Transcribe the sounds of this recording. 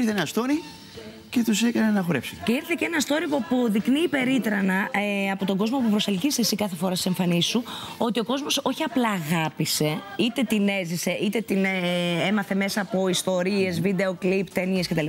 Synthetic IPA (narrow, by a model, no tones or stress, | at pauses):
iɾθeenɐst̪oɾi | ce̞t̪usekɐnenɐxoɾepse̥t̪ece̞iɾθeceenɐst̪o̞ɾipoɐpoðikniːpe̞ɾit̪ɾɐnɐɐpo̞t̪o̞ɡo̞zmo̞pupɾo̞se̞lcist̪esikɐθe̞fo̞ɾɐsise̞ɱfɐnisuo̞t̪io̞ko̞zmo̞so̞çiɐplɐːɣɐpise̞ | it̪e̞t̪ine̞zise̞ʔit̪e̞t̪inemɐθe̞me̞sɐːpo̞ist̪o̞ɾie̞zvid̪e̞o̞klipt̪enie̞sceeli